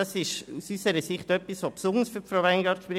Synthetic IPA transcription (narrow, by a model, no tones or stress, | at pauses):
ɑsɪʃusysəɾəsɪχtœpːisʋopsʊnəsfyɾfroʊaɪŋɡɑɾtʃpɾɪ